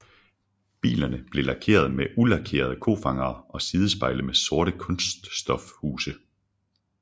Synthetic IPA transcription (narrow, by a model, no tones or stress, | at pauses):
b̥ḭːlɐnəb̥le̝lɑ̈kʰe̝̰ːɐð̞ˠmeʔulɑ̈kʰe̝̰ːɐð̞̩ˠkʰo̝̰ːfɑ̈ŋɐːʔɒ̽siːð̞ˠəsb̥ɑ̈ɪləmeso̝ɐɾəkʰɔ̽nsd̥ːd̥ɒ̽fhuːsə